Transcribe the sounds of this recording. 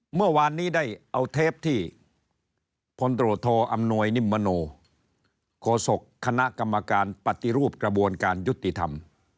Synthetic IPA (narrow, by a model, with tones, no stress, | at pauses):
mɯ˥˩ɐwaː˧nːiː˦˥da˥˩jʔa˧wt̪ʰeː˦˥˩p̚t̪ʰiː˥˩ | pʰo˧nt̪ɾoː˨˩t̪ʰːɔː˧ʔa˧mnu˧əjni˥˩mːa˧noː˧ | kʰɔː˧so˨˩kʰːa˧na˦˥ʔka˧mːa˧kaː˧npa˨˩t̪i˧ɾuː˥˩p̚kɾa˧bu˧ənkaː˧nju˦˥t̪ːi˨t̪ʰa˧m